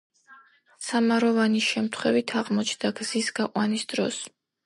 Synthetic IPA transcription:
samaɾɔvaniʃɛmt̪ʰχwɛvit̪ʰaʁmɔt͡ʃʰd̪aɡzisɡaqʼwanisd̪̥ɾɔs

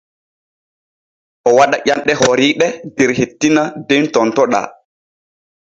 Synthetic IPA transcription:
ʔɔwaɗaʔanɗɛɦɔɾiːɗɛdɛɾhetːinadentɔntɔɗa̰

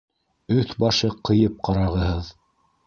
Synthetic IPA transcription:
ɵθbɑʃɤqɤ̆jɤp̚qɑɾɑʁɤ̆ɦɤð

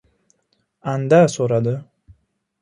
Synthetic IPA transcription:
and̪asoɾad̪ɪ

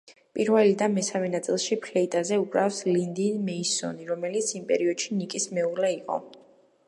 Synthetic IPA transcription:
pʼiɾvɛlid̪anmɛsamɛnat̪sʼilˠʃipʰlɛit̪ʼazɛupʼɾafslind̪inmɛisɔ̰niɾɔmɛlit̪sʰimpʼɛ̰ɾiɔd̪̥ʃinikʼismɛuɾlɛiqʼɔ̰

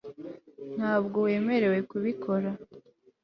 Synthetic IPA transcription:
n̥haːbɡo̞we̞ːme̞ɾe̞we̞kuβikʰo̞ɾa

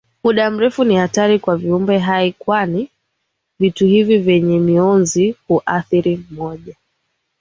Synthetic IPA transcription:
muɗam̩ɾɛfunihataɾikwaviumbɛɦaikwani | vituhivivjɛɲɛmiɔnzihuʔaθiɾimɔʄa

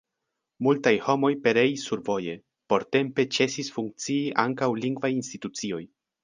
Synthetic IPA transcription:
multajho̞mo̞jpe̞ɾe̞isːuɾvo̞je̞ | po̞ɾte̞mpe̞t͡se̞sisfuŋk̚t͡siːʔaŋkawliŋɡvajinstitut͡sio̞j

